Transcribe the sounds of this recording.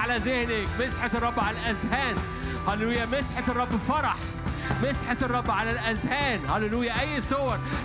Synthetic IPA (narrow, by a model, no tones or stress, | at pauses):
alæzehnekmesħet̪rˤːɑbːʕalælʔæzhæːn | hælːlujːæmesħet̪erˤːɑbːfɑɾˤɑħ | mesħet̪erˤːɑbːʕalælʔæzhæːnhælːlujːæʔæjːsˤowɑɾˤ